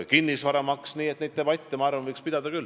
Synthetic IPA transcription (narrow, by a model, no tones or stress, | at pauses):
kinːisvɑɾɑmɑksniːet̪nejd̪̥̚t̪ebɑt̪ʲːˑemɑɑːɾrvɑnvɯjkspid̪̥ɑd̪̥ɑkylː